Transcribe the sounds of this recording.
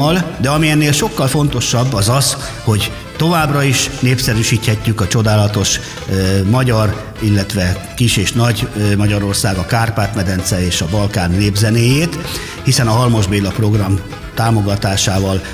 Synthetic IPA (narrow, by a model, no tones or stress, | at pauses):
ɒld̪ɛɒmiɛnːeːlʃo̞kːɒlfo̞n̪t̪o̞ʃɒbːɒzɒz | ho̞ɟ | t̪o̞vaːbrɒiʃneːpsɛɾyʃiːt̪hɛcːykɒt͡ʃo̞d̪aːlɒt̪o̞ʃ | mɒɟɒr | ilːɛt̪ʋɛ | kiʃeːʃnɒɟmɒɟɒɾo̞rsaːɡɒkaːrpaːt̪mɛd̪ɛnt̪sɛeːʃɒbɒlkaːnːeːbzɛneːjeːt̪ | hisɛnɒɦɒlmo̞ʒbeːlɒpro̞ɡrɒm | t̪aːmo̞ɡɒt̪aːʃaːvɒl